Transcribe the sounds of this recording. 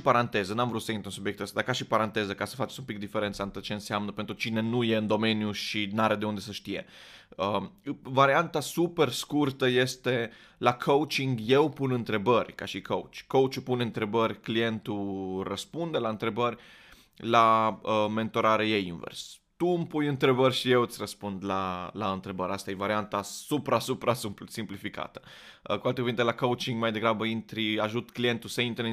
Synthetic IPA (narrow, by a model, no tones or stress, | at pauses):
ipaɾant̪e̞zənamvɾut̪səint̪ɾunsubjekt̪əst̪ad̪aɾkaʃipaɾant̪e̞zəkasə̥fat͡ʃe̥sʲumpik̚d̪ifeɾe̞nt̪saɨnt̪ot͡ʃe̞ɨnseamnəpent̪ɾut͡ʃine̞nuje̞ɨnd̪o̞me̞njuʃinaɾed̪e̞und̪e̞səʃt̪ije̞̰əvaɾiant̪asupe̞rskurt̪əje̞st̪e̞ | lakʰowt͡ʃiŋɡje̞wpunɨnt̪ɾe̞bərʲkaʃikʰowt͡ʃʲkowt͡ʃupunɨnt̪ɾe̞bərʲklije̞nt̪urəspund̪e̞laɨnt̪ɾe̞bərʲ | laəme̞nt̪o̞ɾaɾeje̞jinvḛrs | t̪umpujɨnt̪ɾe̞bərʲʃije̞wɨt̪sʲrəspund̪lalaɨnt̪ɾe̞bəɾʲʔast̪ajevaɾiant̪asupɾasupɾassimplifika̰t̪ə̥ | kualt̪ekuvint̪elakowt͡ʃiŋɡmajd̪e̞ɡɾabəint̪ɾiaʒut̪klije̞nt̪usəint̪ɾə